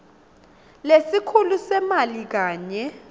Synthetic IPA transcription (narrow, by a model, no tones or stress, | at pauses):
lesikʰulusɛmalik̬aːɲɛ